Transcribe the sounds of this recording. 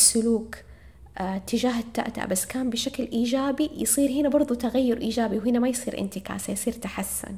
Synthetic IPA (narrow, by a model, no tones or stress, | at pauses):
sːʊluːk | t̪ːɪd͡ʒaːɦɪt̪ːa̰ʔt̪a̰ʔbasːkaːmbɪʃaklʔiːd͡ʒaːbijɨsˤiːɾhɪnabɑɾˤðˤut̪aɣajːʊɾʔiːd͡ʒaːbiwɦɪnamajsˤiːɾʔɪ̰nt̪ɪka̰ːsajsˤiːɾt̪aħasːʊ̰n